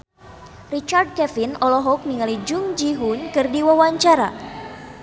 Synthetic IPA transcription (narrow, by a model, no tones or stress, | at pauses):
rit͡ʃard̚kɛfinɔlɔɦɔk̚miŋalid͡ʒuŋd͡ʒiɦunkɨrdiwawaɲt͡ʃaɾa̰